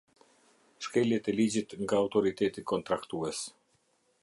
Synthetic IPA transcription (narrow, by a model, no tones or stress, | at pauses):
ʃkɛljɛt̪ɛlid͡ʑit̪ŋɡaːwt̪ɔɾit̪ɛt̪ikɔnt̪ɾakt̪uɛs